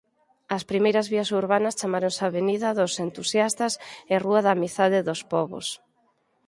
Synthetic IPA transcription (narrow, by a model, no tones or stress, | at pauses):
ɐspɾimejɾɐzβiɐsuɾβanɐst͡ʃamaɾoŋsaβeniðɐðosent̪usjast̪ɐsɪruɐðamiθaðɪðospɔβo̰s